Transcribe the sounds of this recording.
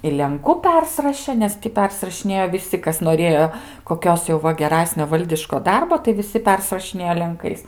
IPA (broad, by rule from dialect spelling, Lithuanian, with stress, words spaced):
ɪ lʲɛŋˈkʊ ˈpʲɛrʲsʲɪrɐʃʲeː ˈnʲɛs tʲɪ ˈpʲɛrʲsʲɪrɐʃʲɪnʲeːjoː ʋʲɪˈsʲɪ ˈkɐs noːˈrʲeːjoː koːˈkʲoːs jɛʊ ˈʋɐ ɡʲɛˈrɑːsʲnʲoː ˈʋɐlʲdʲɪʃkoː ˈdɐrboː tɐɪ ʋʲɪˈsʲɪ ˈpʲɛrsrɐʃʲɪnʲeːjoː lʲɛŋˈkɐɪs